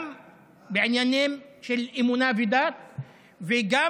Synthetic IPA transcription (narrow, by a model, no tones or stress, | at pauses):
m | beʕenjanimʃelimunavid̪at̪̚ | veɡa